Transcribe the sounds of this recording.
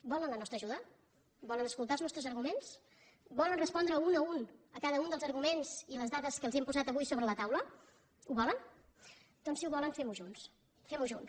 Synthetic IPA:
bɔlənlənɔst̪ɾəʒuðə | bɔlənəskulˠt̪alˠznɔst̪ɾəzəɾɣumens | bɔlənrəspɔnd̪ɾəunəunəkaðəund̪əlˠzəɾɣumenz̥iləzðaðəskəlˠzɛmpuzat̪əβujsoβɾələt̪awlə | uβɔlən | d̪̥ɔnsiuβɔlənfemuʒuns | femuʒun

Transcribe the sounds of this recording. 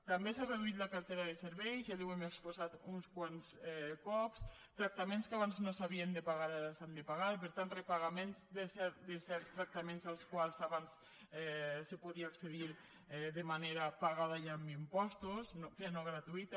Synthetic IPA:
t̪ambesareðuit̪lakaɾt̪eɾaðeseɾβɛjzaliwɛmekspozat̪unskwansɛkɔps | t̪ɾak̚t̪amẽnskaβanznosaβiend̪epaɣaɾaɾasand̪epaɣaɾpeɾt̪ant̪repaɣamenzd̪esɛɾd̪esɛɾst̪ɾak̚t̪amenzalˠskwalˠzaβans | ɛsepuðiaːkseðiɾ | ɛðemaneɾapaɣaðaʒamimpɔst̪osnopɾenoɣɾat̪uit̪a

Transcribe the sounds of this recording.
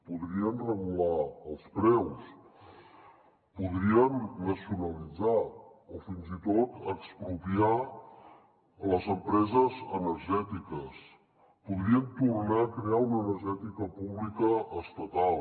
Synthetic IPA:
puðɾiənrəɣulaəlˠspɾɛws | puðɾiənːəsiunəlid͡zaɔfinzit̪ot̪əkspɾupia | ləzəmpɾɛzəzənəɾʒɛt̪ikəs | puðɾiənt̪urnaəkɾeaunəːnəɾʒɛt̪ikəpuβlikəːst̪ət̪al

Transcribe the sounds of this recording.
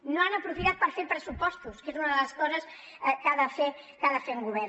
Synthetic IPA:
nõanɐpɾufiðat̪̚paɾfeɾpɾesupɔst̪uskesunɐðelɐskɔsɐs | kaðɐfɛ | kaðɐfeŋɡuβɛɾ

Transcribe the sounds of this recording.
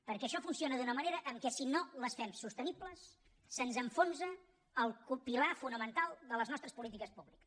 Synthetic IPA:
pəɾkɛəʃɔfunsionəðunəməneɾəʔəŋkɛsinoləsfɛmsust̪ənipləsː | ənzəɱfonsəː | lˠkupilafunəmənt̪alˠd̪ələznɔst̪ɾəspulit̪̬ikəspuβliks

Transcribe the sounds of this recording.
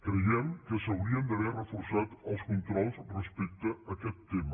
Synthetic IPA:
kɾəjɛmkəsəwɾiənd̪əβɛrrəfuɾsat̪əlˠskunt̪ɾɔlˠzrəspek̚t̪əəkɛt̪ːemə

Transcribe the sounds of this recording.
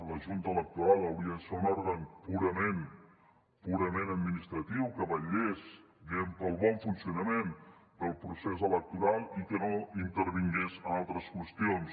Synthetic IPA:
ləʒunt̪ələk̚t̪uɾalˠəwɾiəðəseunɔɾɣənpuɾəmen | puɾəmenəd̪̚minist̪ɾət̪iwkəβəʎez | bempəlˠβɔɱfunsiunəmend̪əlˠpɾusezələk̚t̪uɾalˠikənoint̪əɾβiŋɡezənalˠt̪ɾəskwəst̪ions

